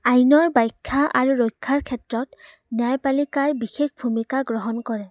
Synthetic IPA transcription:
ajnɔɹbajkʰːaʔaɹuɹojkʰːaɹkʰɛtɹɔt | njajpalikaɹbixexbʱumikaɡɹɔɦɔnkɔɹɛ

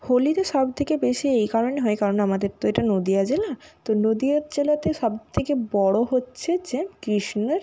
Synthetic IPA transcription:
holit̪eʃɔbt̪ʰekebeʃiejkaɾoneɦɔekaɾonamad̪eɾt̪oeʈanod̪iad͡ʑelat̪onod̪iaɾd͡ʑelat̪eʃɔbt̪ʰekebɔɽoɦotːɕʰed͡ʑekɾiʃneɾ

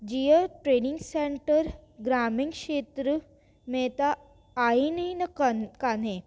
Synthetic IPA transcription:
d͡ʒijəʈɾeːniŋɡseɳʈəɾɡɾaːmiŋɡʃeːt̪ɾə | met̪aː | inɐĩnɐkanẽ

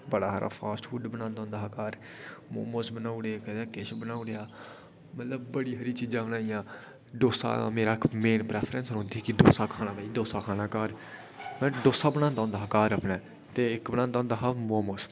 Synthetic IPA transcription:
bəɽaːɦaːɾʔa̰ːpʰaːsʈfʰuɖbənãːnd̪ãːnd̪aːɦaːkaːɾ | moːmoːsbənaːʊɽeːkəd̪ɛ̃ːkeʃbənaːʊɽejaː | mət̪ləbbəɽiːɦəɾiːt͡ʃiːd͡ʒãːbənaːijãː | ɖoːsa̰ːmeːɾaːmeːnpɾɛːpʰɾə̃nsɾõnd̪iikid̪o̰ːsaːkʰaːnaːpɛːiːd̪oːsaːkʰaːnaːkaːɾ | mɛ̃ːɖoːsaːbənãːnd̪ãːnd̪aːɦːkaːɾəpnɛː | t̪eːɪkbəñãːnd̪aːnd̪aːɦamoːmoːs

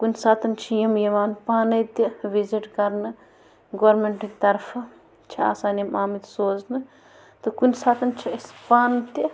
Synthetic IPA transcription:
kunʲsaːt̪ʰɐnt͡ʃʰijimjɐʋaːnpaːnɐt̪iʋiziʈkɐɾnɨ | ɡɐʋɾmeɳʈikt̪ɐɾpʰɐ | t͡ʃʰia̰ːsaːnɐmaːmit̪soːznɨ | t̪ɨkunsaːt̪ʰɐnt͡ʃʰiɐspaːnt̪i

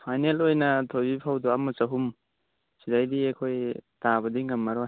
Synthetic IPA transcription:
pʰajnelojnɐtʰojbipʰawduamusɐɦum | sidajdiekʰojtaβɐdiŋɐmːaɾɔ

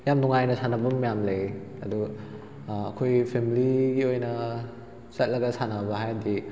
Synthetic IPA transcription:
jamduŋajnɐsanɐbɐmmjamlejɐdu | ɐkʰojpʰemiliɡiojnɐ | zɐt̚lɐɡɐsanɐbɐɦajdi

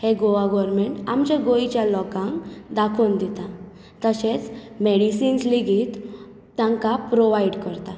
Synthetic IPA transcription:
heɡoʋaɡɔɾmeɳʈamt͡ɕjaɡoit͡ɕjalɔkãŋkd̪akʰuːnd̪it̪a | t̪əɕet͡s | meɽisiːnsliɡiːt̪ː | jãŋkapɾoʋajɖkəɾt̪a

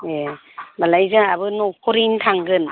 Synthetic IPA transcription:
e | balajzɯaβɯnɔkʰɔɾintʰaŋɡɯn

